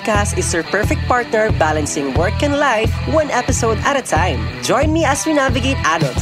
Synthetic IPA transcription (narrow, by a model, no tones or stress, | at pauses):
kast̪ɪsɛɹpɛɹfɛk̚t̪̚paɹt̪̚nɛɹbalɐ̃nsɪ̃ŋwɛɹkɛ̃nlajvwɐ̃nɛpɪsowd̪ɐt̪ɐt̪ʰãj̃md͡ʒɔ̃j̃nmiʔɐswinavɪɡejt̪ʔad̪ɐl